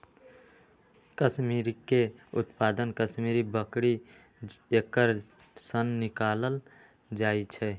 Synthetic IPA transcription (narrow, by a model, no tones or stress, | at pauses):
kəsmiɾikeʊt̪pad̪ənkəsmiɾibəkɽi | ekəɾ | sənːɪkaləl | d͡ʒaːit͡ʃʰɛ